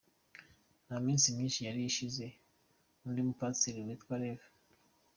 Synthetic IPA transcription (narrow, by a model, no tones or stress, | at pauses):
naminsimɲiːnʃijaɾijiʃize | undimupat͡siɾiwitwaɾeve